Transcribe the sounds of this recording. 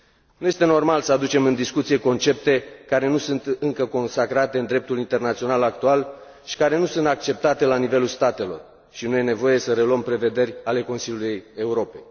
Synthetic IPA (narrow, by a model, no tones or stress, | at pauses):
nuje̞st̪eno̞rmalsəad̪ut͡ʃe̞mɨnd̪iskut̪sijeko̞nt͡ʃe̞p̚t̪e̞kaɾe̞nusunt̪ɨŋkəko̞nsakɾat̪e̞ɨnd̪ɾe̞p̚t̪ulint̪e̞rnat̪sio̞nalak̚t̪ual | ʃi̥kaɾe̞nusunt̪ak̚t͡ʃe̞p̚t̪at̪e̞lanive̞lulst̪at̪e̞lo̞̰r | ʃinuje̞ne̞vo̞je̞səɾe̞luəmpɾe̞ve̞d̪e̞rʲale̞ko̞nsilʲulujuje̞uɾo̞pej